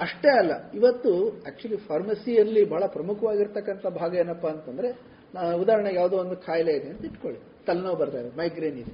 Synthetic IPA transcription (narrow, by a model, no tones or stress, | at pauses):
ɐʂʈe̞ɐlːɐiʋɐt̪ːuæːk̚t͡ʃuɐlipʰaːɾmɐsijɐɾlːibʱaːɭɐpɾɐmukʰɐʋaːɡiɾt̪ɐkːɐnt̪ʰɐbʱaːɡɐjeːnːɐpːɐːnt̪ɐnd̪ɐɾe̞ | ud̪aːɾɐɳejaːʋd̪oːond̪ukʰaːjɐleid̪eːnt̪ɐiʈkoɭi | t̪ɐlnɐʋbɐɾt̪aːɾemɐjɡɾeːnid̪e